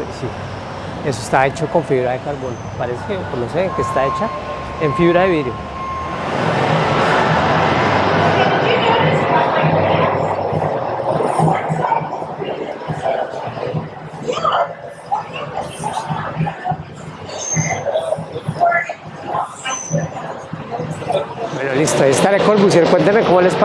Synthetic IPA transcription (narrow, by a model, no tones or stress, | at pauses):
si | e̞s̬oest̪ae̞t͡ʃoko̞ɱfiβɾaðekaɾbonopaɾese̥kekonosekest̪ae̞t͡ʃa | eɱfiβɾaðeβiðɾjo | bwenolist̪oaiest̪aɾekoɾpusjoɾkwent̪emekomole̞sp